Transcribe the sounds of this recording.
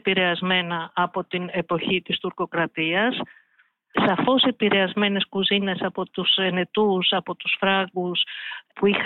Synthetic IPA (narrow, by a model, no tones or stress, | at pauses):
piɾe̞ɐzme̞nɐːpo̞t̪ine̞po̞çit̪ist̪uɾko̞kɾɐt̪iɐsː | ɐfo̞sepiɾe̞ɐzme̞ne̞skuzine̞sɐpo̞t̪usene̞t̪usɐpo̞t̪usfɾɐɣuspuix